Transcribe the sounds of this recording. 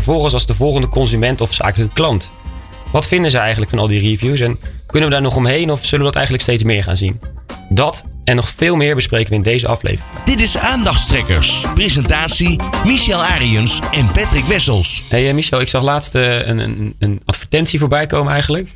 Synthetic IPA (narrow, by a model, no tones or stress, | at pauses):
fəvɔlˠχənsɑlˠzdəvɔlˠχəndəkɔnzymɛntɔfsa̰ːkələkəklɑnt | ʋɑtfɪndənzəɛjχənləkfɑnɑlˠdirivjus̬ɛnkʏnənʋədaːɹnɔχɔmɦejnɔfsɵlənədɑtɛ̰jχənləkstejtsmɪːɹχa̰ːnzindɑtɛnːɔχfɪːlˠmɪːɹbəsprejkənʋəɪndejzə̰ʔɑ̰flḛjvrɪŋŋd̥ɪtɪsaːndɑχtstrɛkə̰ɹsprezɛntaːtsimiʃɛlˠaːɾiənsɛnpɛtrɪkʋɛsəlˠsɦejəmiʃɛlˠɪksɑχlaːtstəənə̰ənɑtfəɹtɛntsivoːɹbɛjkowmənɛjχənlək